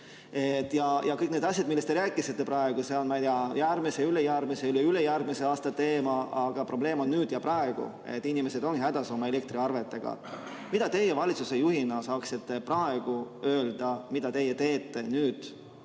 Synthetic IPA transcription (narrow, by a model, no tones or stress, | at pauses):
et̪ːˑjɑjɑkɤjkne̞d̪̥ɑsʲjɑd̪̥̚milːest̪eɾæːkːˑisit̪ːe̞pɾɑe̞ɡ̥use̞o̞nmɑjt̪iɑjæɾmise̞ylejærmiseyleylejærɡ̥mise̞ɑːst̪ɑt̪e̞ːmɑʔɑɡ̥ɑpro̞b̥le̞ːmo̞nːyːd̪̥jɑprɑe̞ɡ̥ṵ | e̞̰t̪ˑːinʲime̞sed̪o̞nɡhæd̪ɑso̞mɑe̞le̞k̚t̪ɾiɑrve̞t̪ːˑe̞ɡ̥ɑ̰ | mid̪̥ɑt̪e̞jːevɑlʲit̪suse̞juhinɑsɑːksit̪ːe̞prɑe̞ɡ̥uø̞ːld̪̥ɑmid̪̥ɑt̪e̞jːet̪e̞ːt̪ːˑe̞nyːd̪̥